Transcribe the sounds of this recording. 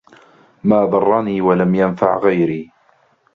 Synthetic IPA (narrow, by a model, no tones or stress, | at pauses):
maːd̪ˤɑrˤːɑniːwalamjanfa̰ʕɣajɾiː